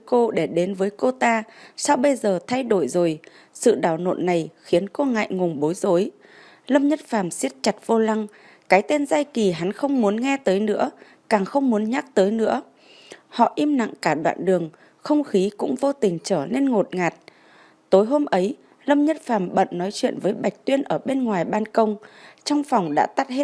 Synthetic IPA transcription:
jko˧ɗe˧˩ɗe˨˦nvəː˨˦jko˧t̪aː˧sa˧wɓə˧jzəː˨˩t̪ʰa˧jɗo˧˩jzo˨˩j | sɨ̰˧˨ɗaː˧˩wno̰˧˨nːa˨˩jxi˨˦ənko˧ŋa̰˧˨jŋʊ˨˩ŋ͡mɓo˨˦jzo˨˦j | lə˧mɲə˦˥t̚faː˧˩msi˦˥ət̚t͡ɕa˨˩t̚v̥o˧la˧ŋ | kaː˨˦jt̪e˧nzaː˧jki˨˩ɦa˨˦nxə˧wŋ͡mmu˨˦ənŋɛ˧t̪əː˨˦jnɨ̰˧˥ə | kaː˨˩ŋxə˧wŋ͡mmu˨˦ənɲaː˦˥k̚t̪əː˨˦jnɨ̰˧˥ə | hɔ̰˧˨ʔi˧mna̰˧˨ŋkaː˧˩ɗwa̰ː˧˨nɗɨ˨˩əŋ | xə˧wŋ͡mxi˨˦kʊ̰˧˥ŋ͡mvo˧t̪ï˨˩ŋ̟t͡ɕəː˧˩ne˧nŋo˨˩t̚ŋaː˨˩t̚ | t̪o˨˦jɦo˧mʔə˨˦j | lə˧mɲə˦˥t̚faː˧˩mɓə̰˧˨nnɔ˨˦jt͡ɕwḭ˧˨ənvəː˨˦jɓa˨˩jk̟̚t̪wi˧ənʔəː˧˩ɓe˧nŋwaː˨˩jɓaː˧nkə˧wŋ͡mt͡ɕɔ˧wŋ͡mfɔ˨˩wŋ͡mɗa̰ː˧˥t̪a˦˥t̚he˦˥

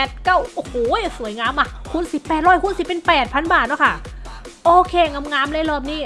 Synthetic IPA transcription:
ɛ˨˩t̪̚ka˥˩wʔoː˨˧˩hoː˨˩su˨˩˦ə˦jŋaː˧mʔa˧˩kʰu˧˥nsi˨˩pːɛː˨˩t̪̚ɾɔː˧˥˩jkʰhu˧˥nsi˨˩pe˧npɛː˨˩t̪̚pʰa˧˥nbaː˨˩t̪̚nɔ˧˥˩kʰa˥˩ʔoː˧kʰeː˧˩ŋa˧mŋaː˧˥mlaː˧˥˨lɔː˧˩p̚niː˦˥˩

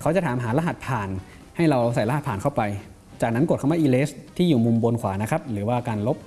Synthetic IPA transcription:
kʰa˦˥wt͡ɕa˨˩t̪ʰaː˩˦mɦaː˩˦la˦˥ɦa˨˩t̪̚pʰaː˨˩n | ha˥˩jɾa˧wsa˨˩jla˦a˨˩t̪̚ʰaː˨˩nkʰwpa˧j | t͡ɕaː˨˩k̚na˦˥nko˨˩t̚kʰwaː˥˩ʔiː˧leː˦˥st̪ʰiː˥˩juː˨˩mu˧mbo˧nkʰwaː˩˦na˦˥kʰɾa˦˥p̚ɾɯː˩˦waː˥˩kaː˧nlo˦˥p̚

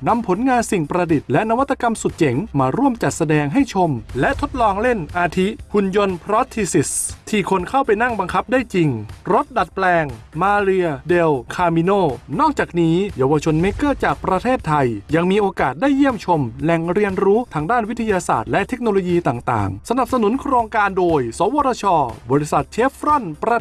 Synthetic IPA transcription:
na˧mpʰo˩˦nŋaː˧nsi˨˩ŋpɾa˧di˨˩t̪̚lɛ˦˥na˦˥wa˦˥t̪ːa˧ka˧msu˨˩t̪̚t͡ɕe˩˦ŋmaː˧ɾu˥˩əmt͡ɕa˨˩t̪̚sa˧dɛː˧ŋɦa˥˩jt͡ɕʰo˧mlɛ˦˥ʔt̪ʰo˦˥t̪̚lɔː˧ŋle˥˩nʔaː˧t̪ʰi˦˥hu˧njo˧npʰɾɔː˦˥t̪ʰːi˧si˨˩st̪ʰiː˧˩kʰo˧nkʰa˥˩wpa˧jna˥˩ŋba˧ŋkʰa˦˥p̚daː˥˩jt͡ɕi˧ŋɾo˦˥t̪̚da˨˩t̪̚plɛː˧ŋmaː˧ɾɯ˧ɐde˧wkʰaː˧mi˧noː˥˩nɔː˥˩k̚t͡ɕaː˨˩k̚niː˦˥jaː˧wa˧t͡ɕʰo˧nme˦˥kɤː˥˩t͡ɕaː˨˩k̚pɾa˧t̪ʰeː˥˩t̪ʰːa˧jja˧ŋmiː˧ʔoː˧kaː˨˩t̪̚daː˥˩jːi˥˩əmt͡ɕʰo˧mlɛ˨˩ŋɾi˧ənɾuː˦˥t̪ʰaː˧ŋdaː˥˩nwi˦˥t̪ʰːa˧jaː˧sa̰ː˨˩t̪̚lɛ˦˥ʔt̪ʰe˦˥k̚noː˧lo˧jiː˧t̪aː˨˩ŋt̪a̰ː˨˩ŋsa˧na˨˩p̚sa˧nu˩˦nkʰɾoː˧ŋkaː˧ndoː˧jsɔː˨˩˦wɔː˧˥ɾʰa˧t͡ɕʰɔː˧bɔː˧ɾi˦˥sa˨˩t̪̚t͡ɕʰeː˦˥pʰɾɔ˥˩npɾa˧

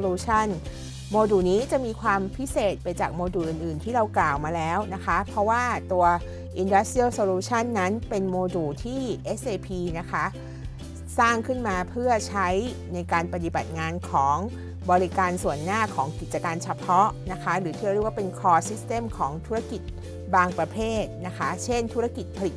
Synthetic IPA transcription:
luː˧t͡ɕʰa˥˩n | moː˧duː˨˩niː˦˥t͡ɕa˨˩ʔmiː˧kʰwaː˧mpʰi˦˥seː˨˩t̪̚pa˧jt͡ɕa̰ː˨˩k̚moː˧duː˨˩ʔɯ˨˩nʔɯː˨˩nt̪ʰiː˥˩ɾa˧wklaː˨˩wmaː˧lɛː˦˥wna˦˥kʰa˦˥pʰɾɔ˦˥waː˥˩t̪u˧ɐ | ʔi˧nda˦˥st̪i˥ə˨˩wsoː˧luː˧t͡ɕʰa˥˩nːa˦˥npe˧nmoː˧duː˨˩t̪ʰiː˥˩ʔe˦˥sʔeː˧pʰiː˧na˦˥kʰa˦˥ʔ | saː˥˩ŋkʰɯ˥˩nmaː˧pʰɯ˥˩ɐt͡ɕʰa˦˥j | na˧jkaː˧npa˧t̪i˨ba˨˩t̪̚ŋaː˧nkʰɔː˩˦ŋ | bɔː˧ɾi˦kaː˧nsu˨˩ənːaː˥˩kʰɔː˩˦ŋki˨˩t̪̚t͡ɕa˧kaː˧nt͡ɕʰa˧pʰɔ˦˥ʔna˦˥kʰa˦˥ɾɯː˩˦t̪ʰːɾi˥˩kwaː˥˩pe˧nkʰɔː˧si˦˥st̪e˧˩mkʰɔː˩˦ŋt̪ʰu˦˥ɾa˥˩ki˨˩t̪̚ | baː˧ŋpɾa˧pʰeː˥˩t̪̚na˦˥kʰa˦˥t͡ɕʰe˥˩nt̪ʰu˦˥ɾa˥ki˨˩t̪̚pʰa˧li˨˩t̪̚

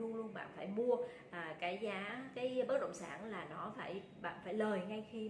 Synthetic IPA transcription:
u˧əlu˧ənɓa̰ː˧˨nfaː˧˩jmu˧ə | ʔaː˨˩kaː˨˦jzaː˨˦kaː˨˦jɓə˦˥t̚ɗə̰˧˨ŋ͡msaː˧˩nlaː˨˩nɔ˨˦faː˧˩j | ɓa̰ː˧˨nfaː˧˩jləː˨˩jŋa˧jxi˧

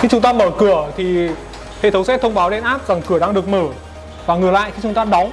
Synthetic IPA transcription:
xi˧˥t͡ɕʊ˨˦ŋ͡mt̪aː˧məː˧˩kɨ˧˩ət̪ʰi˨˩ | hḛ˧˨t̪ʰə˨˦wŋ͡msɛ˦˥t̚t̪ʰə˧wŋ͡mɓaː˨˦wɗe˧nʔaː˦˥p̚za˨˩ŋkɨ˧˩əɗaː˧ŋɗɨ˨˩ək̚məː˧˩ | vaː˨˩ŋɨ˨˩əjla̰ː˧˨xi˧t͡ɕʊ˨˦ŋ͡mt̪aː˧ɗɔ˨˦wŋ͡m

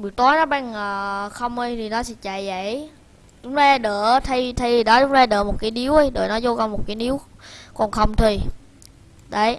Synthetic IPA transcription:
ɓɨ˨˩k̚t̪ɔ˨˦jnɔ˨˦ɓaː˧ŋəː˨˩xə˧wŋ͡mʔəː˧jt̪ʰi˨˩nɔ˨˦sɛ̰˧˦˥t͡ɕa˧˨jza˧˩˨j | t͡ɕʊ˨˦ŋ͡mzaː˧ɗəː˧˩t̪ʰə˧jt̪ʰə˧jɗɔ˨˦t͡ɕʊ˨˦ŋ͡mzaː˧ɗəː˧˨˩mo˨˩kaː˨˦jɗi˨˦wə˧˦jɗə̰ː˧˩jnɔ˨˦zo˧ɣɔ˧˩mo˨˩t̚kaː˨˦ni˨˦wkɔ˨˩nxə˧˩wŋ͡mt̪ʰi˨˩ | ɗə˨˦j

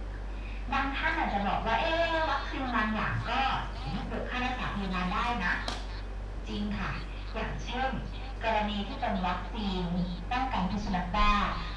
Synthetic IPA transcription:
baː˧ŋt̪ʰa˥˩ʔaː˨˩t̪̚t͡ɕa˨˩bɔː˨˩k̚waː˥˩ʔeː˧˥wa˦˥k̚siː˧n˧maː˧nja̰ː˨˩ŋkɔː˥˩˨ | pɯ˨˩kʰːaː˥˩naː˥˩saː˩˦pʰa˧maː˧ndaː˥˩jna˦˥ʔ | t͡ɕi˧ŋkʰa˥˩ | ja̰ː˨˩ŋt͡ɕʰe˥˩n | kɔː˧ɾa˧niː˧t̪ʰiː˥˩pe˧nwa˦˥k̚siː˧n | t̪aː˥˩kaː˧˩ŋpʰu˧˩nsʰu˧na˦˥k̪̚baː˥˩

